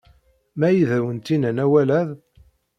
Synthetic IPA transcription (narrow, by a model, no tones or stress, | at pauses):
mæjiðæwənt̪inənæwælæð